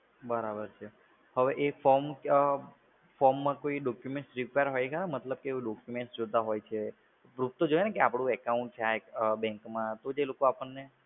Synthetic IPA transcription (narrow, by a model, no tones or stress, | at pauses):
bəɾabəɾt͡ʃʰe | həʋeʔefɔɾmkə | fɔɾmːãkoiɖɔkjumẽɳʈsɾipeəɾɦojekəɾamət̪ləb̚keuɖɔkjumẽʈsd͡ʒot̪aɦojt͡ʃʰe | pɾup̚t̪od͡ʒojenekeapɽ̃ũɛkaũɳʈ̚t͡ʃʰeaekbɛ̃ŋkmãt̪od͡ʒelokoapəɳːe